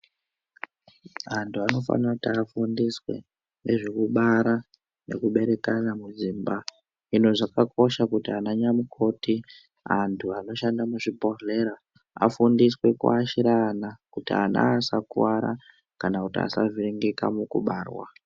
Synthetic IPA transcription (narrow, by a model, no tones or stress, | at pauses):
antʰuano̞fa̰nirakutiafundiswe̞̰ | ne̞ʐe̞kuɓaɾa | ne̞̰kuɓe̞ɾe̞kanamud͡ziːmba | ino̞ʐakak̚o̞ʃakutianaɲamukʰo̞ti | antʰuano̞ʃandamuʐipo̞re̞ɾa | a̰fundiswe̞kṵaʃiɾaːnakutia̰na̰sakṵwaɾa̰ | kanakutia̰sa̰viɾiŋɡika̰mukṵɓaːrwa̰